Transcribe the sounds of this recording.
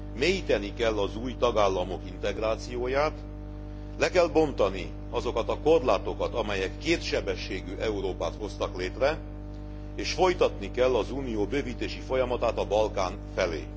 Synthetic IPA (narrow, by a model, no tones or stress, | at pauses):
meːjit̪ɛnikɛlːɒzuːjt̪ɒɡaːlːɒmo̞kint̪ɛɡraːt̪sijoːjaːt̪ | lɛkɛlbo̞nt̪ɒni | ɒzo̞kɒt̪ɒko̞rlaːt̪o̞kɒt̪ɒmɛjɛkːeːt̪ʃɛbɛʃːeːɡyʔɛuɾoːpaːt̪ho̞st̪ɒkleːt̪rɛ | eːʃfo̞jt̪ɒt̪nikɛlːɒzuːnijoːbøːviːt̪eːʃifo̞jɒmɒt̪aːt̪ɒbɒlkaːɱ | fɛlḛː